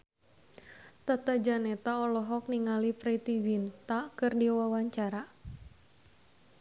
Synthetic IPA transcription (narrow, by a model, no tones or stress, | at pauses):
t̪at̪ad͡ʒanɛt̪aɔlɔɦɔk̚niŋalipɾit̪izint̪akɨrdiwawaɲt͡ʃaɾa